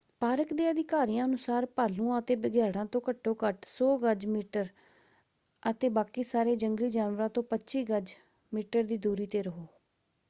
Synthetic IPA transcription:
paːɾəkd̪eːəd̪ɪkaːɾijãːənʊsaːɾpaːlũːãːət̪eːbəɡjaːɽãːt̪õːkəʈʰːoːkəʈsoːɡəd͡ʒmiːʈəɾ | ət̪eːbaːkiːsaːɾeːd͡ʒəŋɡliːd͡ʒaːnʋəɾãːt̪õːpətːʃiːɡəd͡ʒ | miːʈəɾd̪iːd̪uːɾiːt̪eːɾəɦoː

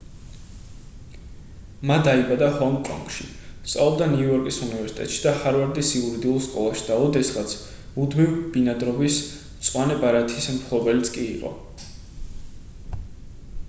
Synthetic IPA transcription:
mad̪aibad̪ahɔŋɡkʼɔ̰ŋɡʃḭ | st̪sʼalˠɔbd̪aniujɔɾkʼisunivɛɾsi̥t̪ʼɛ̰t̪ʼʃi̥d̪ahaɾvaɾd̪isiuɾid̪iulˠskʼɔlˠaʃi̥d̪aɔd̪ɛsʁat̪sʰ | mud̪mivb̥inad̪ɾɔbis | t̪sʼwanɛbaɾat̪ʰismpʰlˠɔbɛlit̪sʰkʼḭːqʼɔ̰

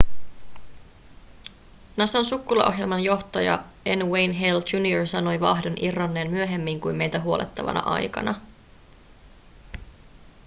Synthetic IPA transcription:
nɑsɑnsukːulɑ̰ʔo̞ɦje̞lmɑnjo̞ht̪ɑjɑ̰ | enwejnɦeld͡ʒunioɹsɑno̞jʋɑ̰ɦdo̞nʔirːɑnːe̞ːnmyøɦemːiŋkujme̞jt̪æɦuo̞lʔḛt̪ːɑʋɑ̰nɑ̰ʔɑ̰jkɑ̰nʔɑ

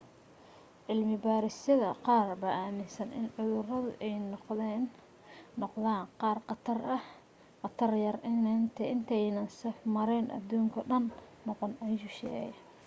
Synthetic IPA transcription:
ʔɪlmɪbaːɾɪsɐðɐqɑːrbɐʔaːmɪnsɐnʔɪ̰nʕʊðʊrɐðʊʔɛjnqðɛnː | ɔqðaːnqɑːrqɑt̪ʰɐrɐh | qɑt̪ʰɐrjɐrnnt̪ʰɛɪnt̪ʰɛjnɐnsɛfmɐɾɛːnʔɐ̰d̪uːŋkʰɐɖɐnːɔqɔnɐjʊʃɛ̰ːɐ

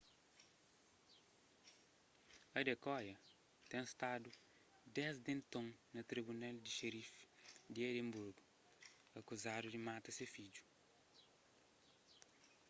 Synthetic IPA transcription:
ɐdekɔjɐ | t̪ɛ̃ŋst̪adʊ | dɛsdẽnt̪õŋnɐt̪ɾibunɛldiʃeɾifdiɛdembuɾɡu | ɐkuzadʊdimat̪ɐsefid͡ʒu̥

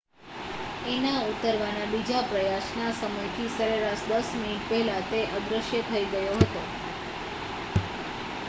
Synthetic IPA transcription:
enaut̪əɾʋanabid͡ʒapɾəjasnasəməjt̪ʰisəɾeɾaʃd̪əsminiʈ̚pɛɦlat̪eʔəɡ̪ɾəʃjət̪ʰəiɡəjoɦət̪o

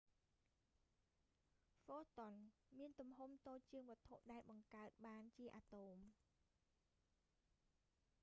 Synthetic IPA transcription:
foːt̪onmiənt̪umɦumt̪oːc̚t͡ɕɨəŋʋŏət̪ʰoʔɗaɛlɓɑŋkaət̪̚ɓaːnt͡ɕiəʔaːt̪oːm

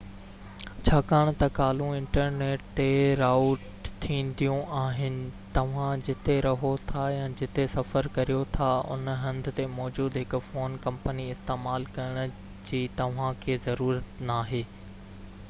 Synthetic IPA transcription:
t͡ɕʰaːkaːɽ̃t̪ɐkaːlũɪ̃ɳʈəɾneːʈːeɾaːʊʈ | t̪ʰĩːnd̪ijũaːɦɪnɪ̆t̪ɐʋ̤ãd͡ʑɪt̪eɾɐɦot̪ʰajãd͡ʑɪt̪esɐfəɾkɐɾijot̪ʰaʊ̰nɦɐ̃nd̪̆ʱt̪emɔːd͡ʑuːd̪ɦɪkʊfoːnkɐ̃mpəniɪst̪eːmaːlkɐɪɽ̃ʊ̆ | d͡ʑiːt̪ɐʋ̤ãkʰeːzɐɾuːɾət̪naːɦeː

